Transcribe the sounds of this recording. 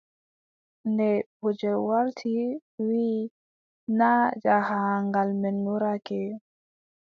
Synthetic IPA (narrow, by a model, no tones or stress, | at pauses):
ndɛbod͡ʒɛwaɾtʰiwiː | nad͡ʒahaŋɡalmɛnːuɾakɛ